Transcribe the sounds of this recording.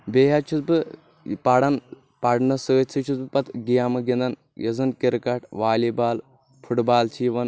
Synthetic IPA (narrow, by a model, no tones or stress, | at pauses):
beːɦat͡ʃʰut̪bɨ | paɽɐn | paɽnɐsɨːt͡sʰɨt͡ʃʰuzbɨpɐt̪ɡijaːmɨɡind̪ɐn | jɐzɨnkiɾkɐʈʰʋaːlibaːl | pʰuʈbaːlt͡ʃʰiːʋɐn